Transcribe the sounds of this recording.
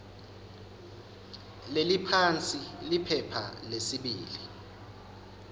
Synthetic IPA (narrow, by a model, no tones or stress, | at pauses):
lelipʰant͡sʼilipʰɛpʰa̰lesiɓiːli